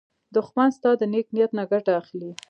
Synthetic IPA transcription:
d̪ʊxmanst̪ɑd̪ənek̚nijat̪naɡaʈaːxli

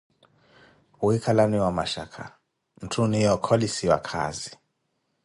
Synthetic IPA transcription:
wikʰalaniwamaʃa̰kʰa | m̩tʰunijɔkʰɔlisiwa̰kʰa̰zi

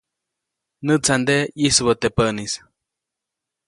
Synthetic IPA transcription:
nɨt͡sand̪eisbot̪epənis

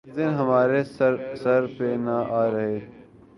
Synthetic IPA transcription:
d̪ɪnɦɐmaːɾesɐɾpenɐʔaːɾɐɦeː

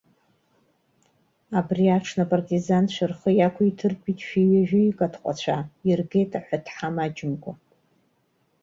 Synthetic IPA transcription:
abriaʈ͡ʂʰnapʼartʼizanʃʷɨrχəjakʷʰitʰɨrkʷʼitʼʃᶣiɥaʒᶣʊikʼatʰqʷʼa̰t͡ɕʷʰairɡejtʼaħʷatʰħamad͡ʒɪmɡʷa

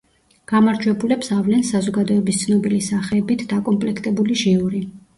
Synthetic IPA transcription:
ɡ̥amaɾd͡ʒwɛbulɛpsavlɛnsazɔɡad̪ɔɛbist̪sʰnɔbilisaχɛːbit̪ʰd̪̥akʼɔmpʼlɛkʰt̪ʼɛbuliʒiuɾi

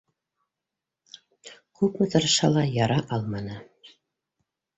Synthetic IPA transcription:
kʉpmɘ̆t̪ɤ̆ɾɤ̆ʃɑlˠɑjɑɾɑʔɑlˠmɑnɤ

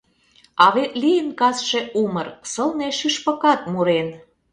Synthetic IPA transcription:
ɑβet̪lijənkɑsʃe̽ʔumərsəlneʃyʃpə̆kɑt̪̚muɾen

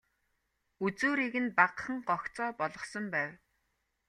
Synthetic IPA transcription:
ut͡suːɾiːɣɘ̆npaqχə̆ŋɢɔxt͡sɔːpɔɮɞ̆χsɞ̆mpæːw

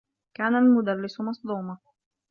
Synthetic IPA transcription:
kaːnalmʊd̪alːɪsʊmɑsˤd̪ˤuːma

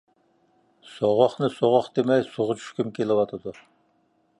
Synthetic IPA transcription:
soʁɔχnɨsoʁɔχd̪emɛksuʁʊt͡ʃʰy̥ʃkʲymkʲʰelɪwɑt̪ʰɨd̪u

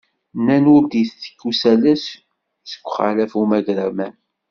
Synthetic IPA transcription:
nænʊɾd̪iθθə̥kːusælæs | sə̥kʷːχa̰læfumæʝɾæmæn

